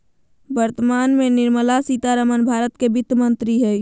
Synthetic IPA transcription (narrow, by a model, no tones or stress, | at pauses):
bəɾt̪əmaːnmẽnɪɾməlasit̪aɾəmənbʱaːɾət̪kebɪt̪mə̃nt̪ɾiɦɛ